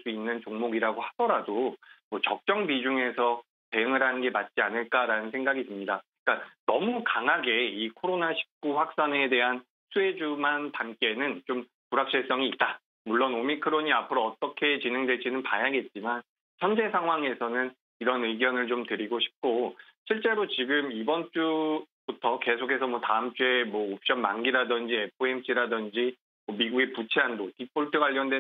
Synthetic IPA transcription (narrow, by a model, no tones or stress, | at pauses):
s͈uinːɯnt͡ɕoŋmoɡiɾaɡohad̥ʌɾadomʌt͡ɕʌk̚t͡ɕ͈ʌŋbid͡ʑuŋe̞sʰʌ | te̞ɯŋɯɾɦanɯnɡe̞mat̚t͡ɕ͈ianɯɭk͈aɾanɯnsʰe̞ŋɡaɡitɯmɲidaik͈anʌmukaŋɦaɡe̞ikʰoɾonaɕʰi̥p̚k͈uɸwak̚s͈ane̞de̞ɦan | sʰue̞d͡ʑumantamk͈e̞nɯnt͡ɕom | puɾak̚t͡ɕ͈ʰeɭs͈ʌŋiːt̚t͈a | muɭːonomikʰɯɾoɲiapʰɯɾoʌt͈ʌkʰe̞t͡ɕineŋdwe̞t͡ɕʰinɯnpajaɡe̞t̚t͡ɕ͈iman | t͡ɕʰʌnd͡ʑe̞sʰaŋɦwaŋe̞sʰʌnɯn | iɾʌnɯɡjʌnɯɭt͡ɕomtɯɾiɡoɕʰi̥p̚k͈oɕʰiɭt͡ɕ͈e̞ɾot͡ɕiɡɯmibʌnt͡ɕ͈ubutʰʌke̞sʰokʰe̞sʰʌmwʌtaɯmt͡ɕ͈ue̞mwʌop̚ɕ͈ʌnmanɡiɾadʌnd͡ʑiepʰɯemɕʰiɾadʌnd͡ʑi | mʌmiɡuɡe̞put͡ɕʰeɦandotip͈oɭtʰɯɡaʎːjʌndwe